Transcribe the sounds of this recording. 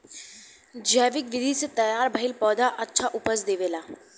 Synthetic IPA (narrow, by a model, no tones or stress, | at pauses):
d͡ʒɛːʋɪkʋɪd̪ʱiset̪ɐjaːɾbʱəɪlpɔːd̪aʔɐtːʃʰaʔʊpəsd̪eːʋeːlaː